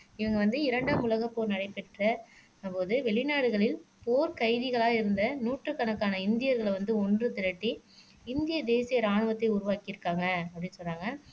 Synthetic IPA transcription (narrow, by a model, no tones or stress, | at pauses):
ɪʋɐŋɡɐʋɐnd̪ɯɪɾɐɳɖaːmʊlɐɣɐpːoːɾnɐɽɐɪpɛʈrɐ | ɐpːoːðɯʋɛɭɪnaːɽɯɣɐɭɪlpoːɾkɐɪðɪɣɐɭaːɪɾɯnd̪ɐnuːʈrɯkːɐɳɐkːaːnɐɪnd̪ɪjɐɾɣɐɭʋɐnd̪ɯɔndrɯt̪ɪɾɐʈːi | ɪnd̪ɪjɐd̪eːsɪjɐɾaːɳɯʋɐt̪ːɐɪʊɾʊʋaːkɪɪɾɯkːaːŋɡɐɐpːɐɽɪnːɯsɔlːaːŋɡɐ